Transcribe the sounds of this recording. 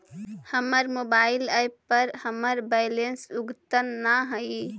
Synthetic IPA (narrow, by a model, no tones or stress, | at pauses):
həməɾmobailəjppːəɾhəməɾbalensuɡt̪ənːaɦəj